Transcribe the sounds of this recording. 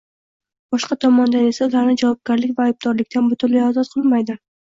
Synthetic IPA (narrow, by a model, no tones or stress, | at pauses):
b̥ɒʃqʰɑt̪ʰɒmɒnd̪ane̞saʊlaɾnɪd͡ʒavɒb̚ɡʲaɾlɪkʲvaːjb̚d̪ɒɾlɪkʲt̪anbʊt̪ʰʊnlajɒzɒt̪̚qʰɨlˠmajd̪ɪ